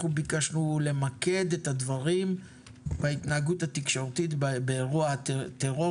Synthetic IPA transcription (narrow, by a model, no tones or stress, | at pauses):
ubikaʃnule̞make̞d̪e̞tad̪vaʁim | bait̪naːɡuthat̪ikʃo̞ʁt̪itbeeʁuat̪eʁo